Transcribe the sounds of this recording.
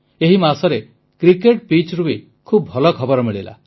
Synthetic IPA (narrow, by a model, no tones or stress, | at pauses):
eɦimasɔɾe | kɾikeʈpit͡ʃɾubi | kʰubʱɔlɔkʰɔbɔɾɔmiɭila̰